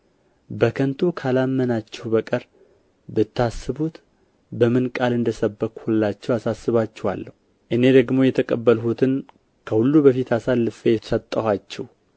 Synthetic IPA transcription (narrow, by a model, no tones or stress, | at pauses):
bəkʰənt̪ʰukʰalamːənat͡ʃːɛwbəkʼəɾ | bɨt̪ʰːasːɨβut̪ | bəmɨnkʼalɨnd̪əsəbːəkʼhulːat͡ʃːɛwasasːɨβat͡ʃːɛha̰lːəhu | ʔɨne̞d̪əɡmo̞jɛt̪ʰəkʼəbːəlhut̪ʰɨn | kʰəhulːubəfit̪ʰasalːɨfeɛsət̪ʼːəhat͡ʃːɛh